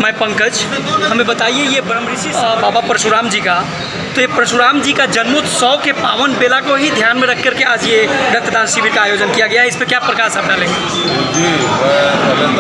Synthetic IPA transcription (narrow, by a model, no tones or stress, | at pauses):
mɛpə̃ŋkəd͡ʒhəmebət̪aiejebɾəm | babapɾəsuɾaːmd͡ʒika | t̪ɔjepɾəsuɾaːmd͡ʒikad͡ʒənmut̪sɔkepaʋənbelakoɦid̪ʱjanmeɾəkʰkəɾkead͡ʒjeɾək̚t̪ːəd̪ansibiɾkaaːjod͡ʒənkijaɡəjaɪspekjapɾəkaɾsəbɖ̪alẽ | d͡ʒi